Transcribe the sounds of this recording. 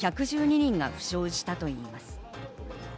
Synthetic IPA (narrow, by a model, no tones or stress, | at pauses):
çakɯ̟ʑɨːɲ̟iɲĩŋɡa̰ɸɯ̟̥ɕo̞ːʑi̥t̪at̪o̞iːmasɨ̥